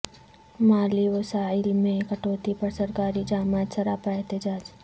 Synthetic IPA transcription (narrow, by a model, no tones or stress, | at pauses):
maːliʋɐsaːɪlmẽkɐʈoːt̪ipɐɾsɐɾkaːɾid͡ʒaːmaːd͡ʒ̪sɐɾaːpaɛɦt̪ɪd͡ʒaːd͡ʒ